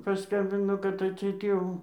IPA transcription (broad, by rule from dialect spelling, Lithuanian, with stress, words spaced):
pɐˈskɐmʲbʲɪnoː kɐt ɐtʲˈsʲɛɪt ˈjɛʊ